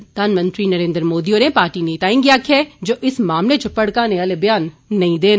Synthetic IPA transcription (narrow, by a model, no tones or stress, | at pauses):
d̪̥aːnmɐ̃nt̪ɾinɐɾẽːnd̪ɾmoːd̪ioːɾẽpaːɾʈineɪt̪aːẽŋɡijaːkʰɛd͡ʒoːʔɪsmaːmlet͡ʃʰopɐɽkãnẽɐlebɐjaːnːɐɦĩd̪eːn